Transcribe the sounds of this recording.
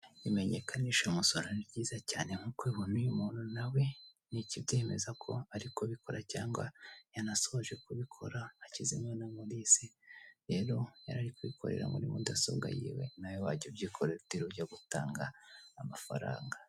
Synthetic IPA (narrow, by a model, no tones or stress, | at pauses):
jime̞ɲe̞kaniʃomusononibɟiːzacaːneŋ̥hukiβun̥ujumuːn̥unawe̞ | nicibɟeːme̞zakʰo̞̰aɾikoβiko̞ɾacaːŋɡa̰janaso̞βoʒwekuβikʰo̞ɾaːcizimwenamuɾisiɾe̞ːɾo̞jaɾaɾikuβikʰo̞̰ɾe̞̰ɾa̰muɾimṵdaso̰bɡa̰jḭwe̞̰najowaɟobɟiːkʰoɾeutiɾuɟaɡutaːŋɡaːmafa̰ɾa̰ːŋɡa